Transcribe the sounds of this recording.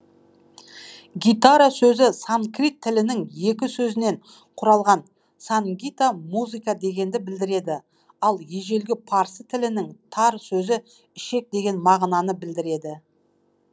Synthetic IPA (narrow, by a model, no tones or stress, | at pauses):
ɡʲijt̪aɾasɵzɪsaŋkrit̪ʰːɪlɪnɪŋje̞kʲɪsɵzɪne̞ɴ | qʰʊɾɑlˠʁɑn | saŋɡʲit̪amuzɨkad̪e̞ɡʲe̞nd̪ɪbɪld̪ɪɾe̞d̪ɪ | ɑlˠje̞ʒe̞lɡʲɪpʰɑɾsət̪ʰɪlɪnɪŋt̪ʰɑɾsɵzɪ | ɪʃe̞k̚d̪e̞ɡʲe̞nmɑʁnɑnəbɪld̪ɪɾe̞d̪ɪ